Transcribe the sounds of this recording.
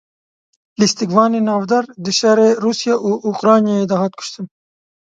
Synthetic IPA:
list̪ikvɑːninɑːvd̪ɐɾd̪ɨʃaɾeɾuːsijaʔuʔuqɾɑːnjaed̪aːɦɑt̪̚kʰʊ̥ʃt̪ɨm

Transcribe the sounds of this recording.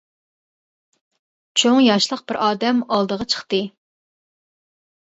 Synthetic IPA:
t͡ʃʰoŋjɑʃlˠəqb̥ɪɾʔɑːd̪ɛmɑlˠd̪əʁɑt͡ʃʰə̥χt̪ɨ

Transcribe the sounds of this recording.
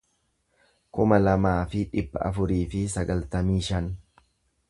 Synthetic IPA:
kʊmɐlɐmaːfɪᶑɪbːɐ̰ʔɐ̰fʊɾiːfɪsɐɡɐlt̪ɐmiːʃɐn

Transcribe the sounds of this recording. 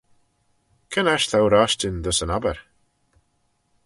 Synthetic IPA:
kʰənaʃt̪ʰawɾaʃtɪnd̪əsənabɛɹ

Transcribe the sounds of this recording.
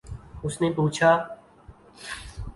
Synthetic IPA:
ʊsneːpuːt͡ʃʰaː

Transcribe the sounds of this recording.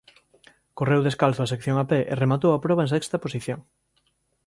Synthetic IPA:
korewðeskalθʊas̬ekθjoŋapeʔḛremat̪owapɾɔβɐẽŋs̬ɛkst̪ɐposiθjoŋ

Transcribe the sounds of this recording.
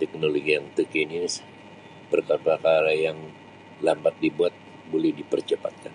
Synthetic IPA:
t̪ɛk̚noloɡijaŋt̪əkenis | pərkapɾakaɾajaŋ | lambat̪̚dibuat̪̚ | bolɛhdipərt͡ʃəpa̰t̪̚kan

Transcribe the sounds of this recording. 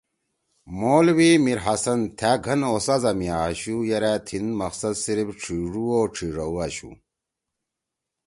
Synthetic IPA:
moːlwimiɾɦɐsɐnt̪ʰæɡʱɐnoːsɐzɐmiaːɕujɐɾaːt̪ʰinmɐqsɐd̪siɾibʈ͡ʂʰiʐuoːʈ͡ʂʰiːʐɐwaɕṵ

